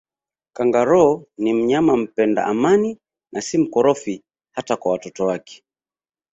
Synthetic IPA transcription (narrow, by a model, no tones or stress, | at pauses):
kaŋɡaɾɔnim̩ɲamam̩pɛnda̰ʔamani | nasim̩kɔɾɔfi | hatakwawatɔtɔwakɛ̥